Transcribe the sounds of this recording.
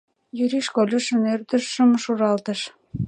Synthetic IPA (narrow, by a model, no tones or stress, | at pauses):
jyɾiʃkolʲə̆ʃə̆nørd̪ə̆ʃːə̆mʃuɾɑlt̪ə̆ʃ